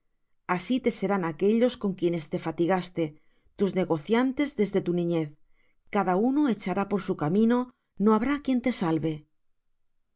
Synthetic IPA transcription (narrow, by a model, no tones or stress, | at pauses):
asit̪e̞se̞ɾanake̞ʎo̞sko̞ŋkje̞ne̞st̪e̞fat̪iɣast̪e | t̪uzne̞ɣo̞θjant̪e̞zðe̞zðet̪unĩɲeθ | kaðaunoe̞t͡ʃaɾapo̞ɾsukamĩno | noaβ̞ɾakje̞nt̪e̞salβe̞